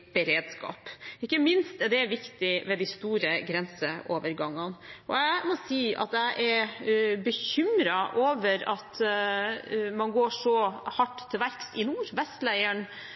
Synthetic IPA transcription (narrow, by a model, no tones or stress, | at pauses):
b̥ɛɾeːd̪skɑ̰ːpɪkːəmɪnst̪ɛd̪ɛʋɪkt̪ɪʋɛd̪ɪst̪uːɾəɡɾɛnsəʔoːʋəɾɡɑŋːɑnʔɔæmɔsiːʔɑ̰t̪æɪʔɛɾbəçʏmɾɑʔoːʋəɾɑt̪ | mɑnɡoːʂɔhɑʈːt̪ʰːɪlʋæɾkst̪ɪnuːɾʋɛst̪læɪəɳ